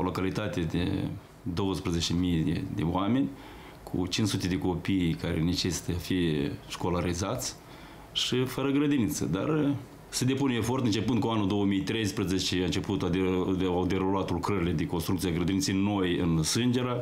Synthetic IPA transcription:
olo̞kalit̪at̪ed̪ḛ | d̪o̞wəspɾezet͡ʃemijd̪ḛd̪ḛoame̞nʲ | kʰṵt͡ʃinsut̪ʲe̞d̪e̞ko̞pikaɾḛnet͡ʃe̞si̥t̪əfijeʃko̞laɾizat̪sʲ | ʃifəɾəɡɾəd̪init̪sə̰d̪a̰r | se̞d̪e̞punefo̞rt̪ɨnt͡ʃe̞pɨnd̪̚kuanud̪o̞wəmijt̪ɾe̞jspɾezet͡ʃeaɨnt͡ʃe̞put̪ad̪awd̪eɾulat̪ulkɾəɾile̞d̪eko̞nst̪ɾukt̪siaɡɾəd̪init̪seno̞jɨ̰nsɨnd͡ʒe̞ɾa

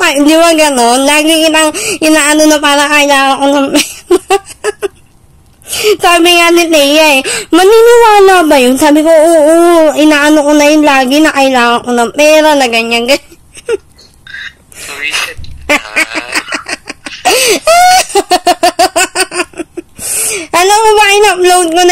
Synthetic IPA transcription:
ɐɪnd̪ɪbaɡɐno̞nlaːɡɪɪnaŋʔɪnaːʔɐnonɐpaːɾɐkɐʔɪlaːŋɐŋkonɐŋpɛːɾa | saːbɪŋanɪt̪ɛjaɛmɐninɪwaːlaːbɐjonsaːbɪkoʔoːʔoʔɪnaːʔɐnokonɐjʊnlaːɡɪnɐkɐʔɪlaːŋɐŋkonɐŋpɛːɾanɐɡɐɲanɡɐɲa | ʔɐlɐmobaʔɪnɐplownkonɐ

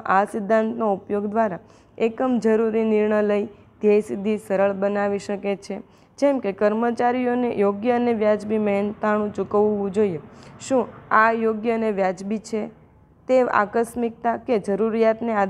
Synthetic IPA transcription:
ʔasɪd̪ʱːant̪noupjoɡd̪ʋaɾa | ekəmd͡ʒəɾuɾinɪɾɳələi | d̪̥esid̪ʱisəɾəɭbənaʋiʃəket͡ʃʰe | d͡ʒɛmkekəɾmət͡ʃaɾijonejoɡjəəneʋjad͡ʒbimɛɦnt̪aɽ̃ũt͡ʃukəʋːũd͡ʒoieʃũajoɡjəneʋjad͡ʒbit͡ʃʰe | t̪ea̰kəʃmik̚t̪aked͡ʒəɾuɾijat̪nead̪

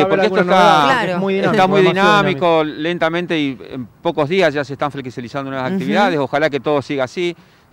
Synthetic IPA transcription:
poɾketost̪amet̪amujðinamikolent̪amẽnt̪e̞iḛmpo̞ko̞zðiasʒaseht̪aɱfleksalisand̪onweasak̚t̪iβiðaðeso̞xalaket̪o̞ð̞osiɣaːsi

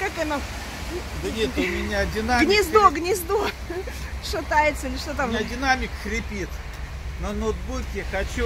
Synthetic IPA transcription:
kakɛnɐ | d̪ənʲet̪ʊmʲɪnʲadʲɪnaɡʲnʲɪzd̪oɡnʲɪzd̪o | ʂɐt̪ajɪt̪səilʲɪʂt̪ot̪amnʲadʲɪnamʲɪkxɾʲɪpʲit̪ | nənot̪̚bukʲɪxɐt͡ɕu

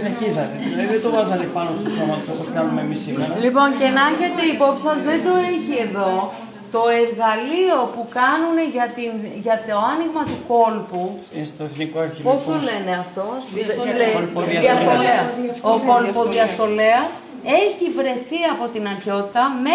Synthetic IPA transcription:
eçizɐt̪eileðet̪ovɐzɐt̪epɐnost̪usomɐt̪fɐsɐskɐnumemisimeɾɐlipo̞ncenɐʝet̪eipo̞psɐzðe̞nd̪o̞eçie̞ðo̞ | t̪o̞e̞ɾɣɐlio̞pukɐnune̞ʝɐt̪inʝɐt̪o̞ɐniɣmɐt̪uko̞lpu | st̪onikoepostt̪ole̞ne̞ɐft̪o̞leðɐiɐsolesoko̞lpoðiɐst̪o̞le̞ɐs | e̞çivɾe̞θiɐpo̞t̪inɐɾço̞t̪it̪ɐme

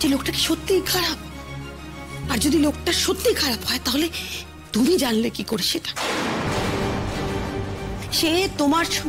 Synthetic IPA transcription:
d͡ʑelokʈake̥ʃot̪ːikʰaɾab̚ | aɾd͡ʑod̪ilok̚ʈaʃot̪ːikʰaɾabɦɔet̪aɦole | t̪umid͡ʑanlekikoɾeʃeʈḁ | ʃet̪omaɾʃʰɔ

